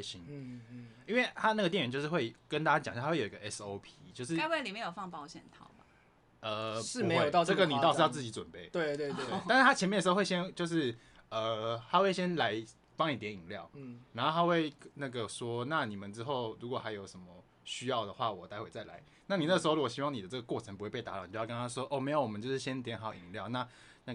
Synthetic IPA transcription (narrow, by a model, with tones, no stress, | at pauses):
ɕi˦n | i˥nwe˥˩ɪt̪ʰa˦˥na˥˩ɡə˩jnɥt͡ɕjo˧ʂɻ̩˥˩we˥˩ɪkə˦nt̪a˥t͡ɕa˥t͡ɕŋɕxwe˥˩jo˨i˧˦ɡə˧˨ɛ˥so˧˥ʊpʰi˧t͡ɕjo˥˧ʊʂ̬ɻ̩˥we˥˧li˨˩me˧˥jo˨˩fɑ˥˧ŋpɑ˥˧ʊɕjɛ̰˨˩nt̪ʰɑ˨˩˦ʊba˨ | ə˩ʂɻ̩˥˩me˧˥˦jo˨t̪ɑ˥˧˨ʈ͡ʂɡə˨˩ni˨t̪ɑ˥˧ʊ˥jʊt͡sɨ˥˩t͡ɕi˧˥ʈ͡ʂwə̰˨˩npe˥˩ɪwe˥˧ɪt̪we˥˧˥ʂ̩˥˩t̪a˥t͡ɕʰjɛ˧nmɛ˥˩ə˩ʂ̩˧˥˧we˥˩ɪɕjɛ˥nt͡ɕjo˥˧ʊʂɻ̩˥˩ | ə˩ta˥we˥˩ɪɕjɛ˦˥nla˧˥ɪ | pɑ˥ŋni˨˩t̪jɛ˧˦ni˨˩ŋljɑ˥˩ʊna˧˦ŋxo˥˧ʊtʰa˥xwe˥˩ɪna˥˩ɡə˩ʂwɔ˥na˥˩ni˨˩mə˨˦nʈ͡ʂɻ̩˥xo˥˩ʊɻu˧˥kwɔ˨˩xa˧˥jo˧˩ʊʂə˧˥nmə˨ | ɕy˥jɑ˥˩ʊd̪ə˩xwa˥˩wɔ˨˩t̪a˧˥ɪwe˨˩ɪt͡sa˥˩ɪla̰˧˦ɪ | na˥˩ni˨na˥˩ʂ̩˧˥o˥˩lu˧˦˥wɔ˨˩ɕi˦wɑ˥˩ŋni˨d̪ə˦ʈ͡ʂə˥˩ɡə˩kwɔ˥˩ʈ͡ʂʰə˧˦ŋpu˧˥we˥˧ɪpe˥˩t̪a˧˥ɑ˥˩˨o˥˧˥ə˦nʰa˥ʂwɔ˦˥ʔo˥˩˨me˧˥ɪjo˧˦ʊwɔ˨˩ə˦t͡ɕo˥˧ʊʂɻ̩˥˩ɕjɛ˥n˥˩t̪jɛ˧˦˥nxɑ˨˩ʊʔḭ˨˩ŋljɑ˥˨ʊna˥˧ | na˥˩